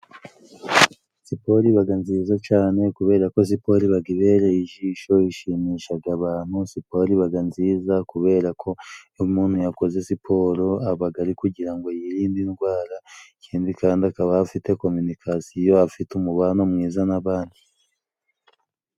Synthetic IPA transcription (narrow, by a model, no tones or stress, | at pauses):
sipo̞ɾiβaɡanziːzat͡ʃaːne̞kuβe̞ːɾako̞s̬ipo̞ɾiβaɡiβe̞ɾejiʒiːʃo̞iʃimiːʃaɡaβaːn̥husipo̞ɾiβaɡanziːzakuβe̞ːɾakʰo̞umuːn̥hujako̞ze̞sipʰo̞ɾoaβaɡaɾikuɟiɾaŋɡo̞jiɾiːndinɡwaːɾacʰeːndikaːndiakaβahafite̞ko̞mynikʰasijo̞afitumuβanomŋiːzanaβaːndi